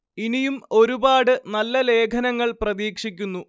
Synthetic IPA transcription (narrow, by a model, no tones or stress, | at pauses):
inijumo̞ɾubaːɽɨnɐlːɐle̞ːkʰɐnɐŋːɐɭprɐðiːkʂikʲːunːu